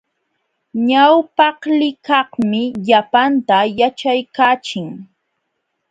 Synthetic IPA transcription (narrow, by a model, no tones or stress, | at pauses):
ɲawpɑhlɪkɑhmɪʎapant̪ajat͡ʃajkaːt͡ʃɪŋ